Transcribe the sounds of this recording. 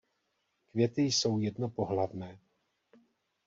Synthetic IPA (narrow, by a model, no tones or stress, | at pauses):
kvjɛt̪ɪjso̞wjɛdno̞po̞ɦlavnɛː